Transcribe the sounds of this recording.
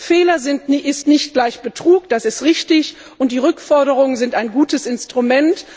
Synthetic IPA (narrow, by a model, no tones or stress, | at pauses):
feːlɐzɪntɪstnɪçt̚ɡ̥laɪçb̥ətʁ̥uːk̚d̥asɪstʁɪçtɪç | ʊnt̚d̥iːʁʏkfɔɐɾəʁʊŋənzɪntaɪnɡuːtəsɪnstʁ̥umɛnt